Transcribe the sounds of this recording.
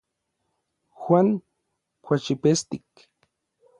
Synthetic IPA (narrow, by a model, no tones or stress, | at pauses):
xwʷaŋ | kʷat͡ʃipest̪ik